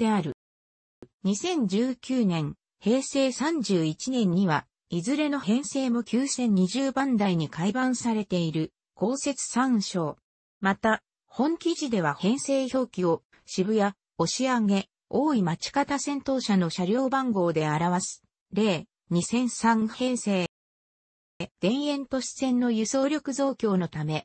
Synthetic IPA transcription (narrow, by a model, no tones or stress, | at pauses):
d̪e̞aɾɯ̟ | ɲ̟isẽ̞ɲ̟d͡ʑɨːkʲɨːnẽ̞ŋ | he̞ːse̞ːsãɲ̟d͡ʑɨːit͡ɕinẽ̞ɲ̟ːiβa | izɨɾe̞no̞hẽ̞ɰ̃se̞ːmo̞kʲɨːsẽ̞ɲ̟ːiʑɨːbãnd̪aiɲ̟ikaibãɰ̃saɾe̞t̪e̞iɾɯ̟ | ko̞ːse̞t͡sɨ̥sãɕo̞ː | mat̪a | hõ̞ŋkʲiʑid̪e̞β̞ahẽ̞ɰ̃se̞ːço̞ːkʲio̞ | ɕibɯ̟ja | o̞ɕiaŋe̞ | o̞ːimat͡ɕi̥kat̪asẽ̞nt̪o̞ːɕano̞ɕaɾʲo̞ːbãŋɡo̞ːd̪e̞aɾaβasɨ̥ | ɾe̞ː | ɲ̟isẽ̞ɰ̃sãŋhẽ̞ɰ̃se̞ː | d̪̥ẽ̞ɰ̃ẽ̞nt̪o̞ɕi̥sẽ̞nːo̞jɯ̟so̞ːɾʲo̞kɯ̟zo̞ːkʲo̞ːno̞t̪ame̞